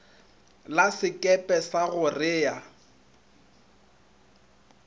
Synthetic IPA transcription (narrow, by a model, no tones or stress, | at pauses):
lasɪkʼɛpʼɛsaɣʊrɪːja